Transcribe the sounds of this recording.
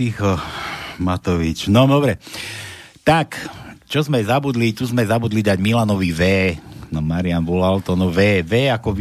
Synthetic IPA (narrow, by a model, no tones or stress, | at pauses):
ixɔmat̪ɔʋit͡ʃnɔd̪ɔbɾɛ | t̪akt͡ʃɔzmɛzabud̪lit̪uzmɛzabud̪lid̪aɟmilanɔʋiʋɛːnɔmaɾianbɔlalt̪ɔnɔʋɛːʋɛːakɔʋ